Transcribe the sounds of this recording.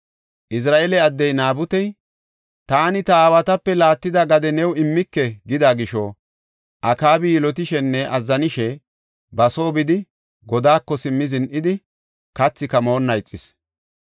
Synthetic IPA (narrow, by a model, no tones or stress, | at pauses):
ʔɪs̬ɾaːʔeːlɛɐd̪ːɛjnaːbʊt̪ɛj | t̪aːnɪt̪ɐaːwɐt̪ɐpːɛlaːt̪ːɪd̪ɐɡɐd̪ɛnɛwɪmːɪkːɛɡɪd̪aːɡɪʃɔ | ʔɐkaːbɪjɪlɔt̪̬ɪʃɛnːɛʔɐzːɐnɪʃɛ | bɐso̞ːbɪd̪ɪ | ɡɔd̪aːkːɔsɪmːɪzɪnʔɪd̪ɪ | kɐt͡sːɪkɐmo̞ːnːɐjt͡sʼːɪs